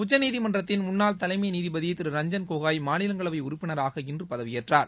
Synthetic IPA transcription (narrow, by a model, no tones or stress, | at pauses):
ʊt͡ʃːɐniːðimɐndrɐt̪ːɪnmʊnːaːlt̪ɐlɐɪmɐjɐniːðibɐðɪjɪt̪ːɪɾɯɾɐɲd͡ʒɐnkoːɣaːjmaːnɪlɐŋɡɐɭɐʋɐɪʊɾʊpːɪnɐɾaːɣɐɪndrɯpɐðɐʋɪjɛʈraːɾ